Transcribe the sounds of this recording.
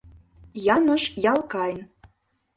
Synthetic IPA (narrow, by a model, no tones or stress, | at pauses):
jɑnə̆ʃjɑlˠkɑjn